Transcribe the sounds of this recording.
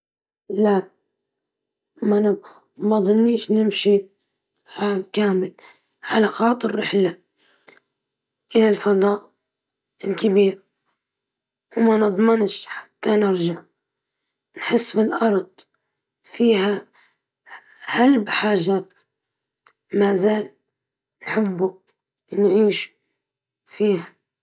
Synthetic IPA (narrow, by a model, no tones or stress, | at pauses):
la | man | mad̪ˤɑnːiːʃnɪmʃi | ʕaːlkaːmɪl | ħalaqɑːt̪ɪrːɪħla | ʔɪlalfɑðˤɑːʔ | ɪlkabiːɾ | wmanɨd̪ˤmɪnʃħḁt̪ːanɪɾd͡ʒaʕ | nħɪsːbɪlʔɑɾˤd̪ˤ | fiːɦa | halbħaːʒaːt̪ | maːzaːl | nħɪbːu | nʕiːʃ | fiːha